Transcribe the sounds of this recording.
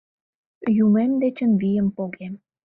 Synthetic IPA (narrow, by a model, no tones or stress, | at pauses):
jumemd̪et͡ɕə̆nβijə̆mpoɣem